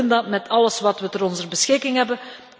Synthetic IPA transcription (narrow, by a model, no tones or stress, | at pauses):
əndɑtmɛtʰɑləsʋɑtʋətəɾɔnzərbəsxɪkɪŋɦɛbə